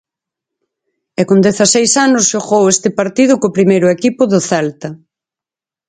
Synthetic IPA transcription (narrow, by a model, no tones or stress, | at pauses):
ɛkond̪ɛθasejsanʊsʃoɣowest̪ɪpaɾt̪iðʊkopɾimejɾʊɛkipʊðʊθɛlt̪ɐ